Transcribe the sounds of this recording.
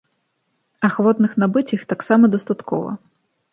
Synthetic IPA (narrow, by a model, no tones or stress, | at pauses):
ɐxvɔt̪nɨxnabɨt͡sʲixt̪aksamɐd̪ɐst̪at̪kɔ̰vɐ̰